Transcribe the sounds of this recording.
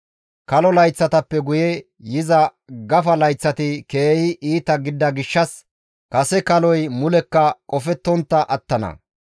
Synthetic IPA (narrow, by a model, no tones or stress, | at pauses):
kɐlɔlɐjt͡sːɐt̪ɐpːɛɡʊjɛ | jɪzɐ | ɡɐfɐlɐjt͡sːɐt̪ɪke̞ːhɪʔiːt̪ɐɡɪd̪ːɐɡɪʃːɐs | kɐsɛkɐlɔjmʊlɛkːɐkʼɔfɛt̪ːɔnt̪ːɐʔɐt̪ːɐnɐ̰